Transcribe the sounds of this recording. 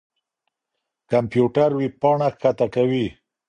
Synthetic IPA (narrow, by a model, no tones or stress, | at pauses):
kampjuʈaɾwipɑɳakːat̪akawi